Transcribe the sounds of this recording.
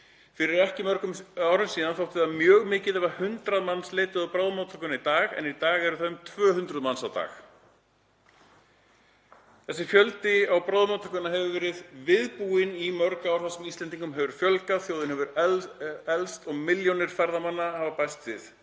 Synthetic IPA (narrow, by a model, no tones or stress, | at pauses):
fɪɾɪɾɛhcɪmœɾkʏmaːwɾʏmsiːðanθawht̪ɪðamjœːɣmɪːcɪðɛvahʏnt̪ɾaðmanːsleːjt̪ʏðawpɾaːwðmat̪ʰœkʏnait̪aːɣɛ̰nit̪aːɣɛɾʏθaðʏmt̪ʰvœːhʏnt̪ɾʏðmansawt̪a̰ːx | θɛsːɪfjœlt̪ɪawpɾawðmawt̪ʰœkʏnaɦɛvʏvɛːɾɪðvɪðpuɪnimœɾkaaːwɾ̥θasɛmist̪ɛnt̪iŋkʏmɦɛvʏɾ̥fjœlkaðθjoːwðɪnhɛvʏɾ | ɛlst̪ɔɣmɪljownɪɾ̥fɛɾðamanːahavapajst̪sɪθ